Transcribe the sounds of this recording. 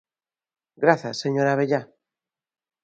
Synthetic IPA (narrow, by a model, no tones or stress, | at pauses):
ɡɾaθasːeɲoɾaβ̞eʎa